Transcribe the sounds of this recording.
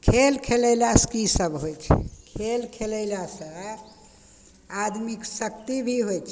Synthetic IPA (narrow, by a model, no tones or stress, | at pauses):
kʰelkʰeləjlaskisəbɦojt͡ʃʰɛ̰kʰelkʰeləjlasə | ad̪miksəkt̪ibʱiɦojt͡ʃʰ